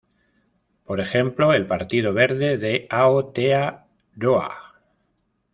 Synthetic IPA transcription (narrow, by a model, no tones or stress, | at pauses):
po̞ɾe̞xe̞mplo̞e̞lpaɾt̪ið̞o̞β̞e̞ɾðe̞ðe̞aot̪ea | ɾoa̰